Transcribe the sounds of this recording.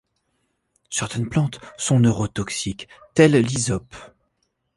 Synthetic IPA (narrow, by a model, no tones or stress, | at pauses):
sɛʁt̪ɛnplɑ̃t̪sɔ̃nøʁot̪ɔksik | t̪ɛlːizɔp